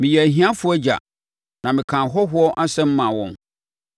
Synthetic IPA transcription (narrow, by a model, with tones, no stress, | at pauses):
mɪ̃˨jɛ˨æ˨ɦĩ˦ã˦fʊ˦ɔ˦d͡ʑa̰˨ | nã˨mɪ̃˨kʰã˨ɦɔ˦ɦʊ˦ɔ˦ʔa˦sɛ̃˦m̩˦mã˨wɔ̃˨n